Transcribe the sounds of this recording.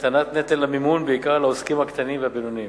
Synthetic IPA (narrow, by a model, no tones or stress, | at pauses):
t̪ʰɐnɐt̪̚net̪elɐmimuːnbeːkaːlɐuskimɐkt̪ʰɐniʋɐbinuni